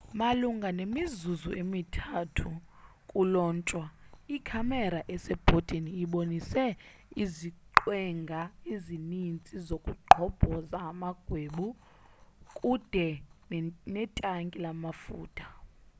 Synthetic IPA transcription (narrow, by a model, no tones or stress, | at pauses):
maluŋɡʱanemizuzṵʔemitʰatʰu | kʼulɔːnt͡ʃʼwaikʰamɛɾaʔɛsɛb̥ʱotʼiniɓonisɛ | iziǃwɛŋɡʱaizinint͡sʼizokʼuǃʱɔb̥ʱɔzaːmaɡ̥ʱweːɓu | kʼud̥ʱɛ | nɛtʼaŋkʼilamafṵːtʰḁ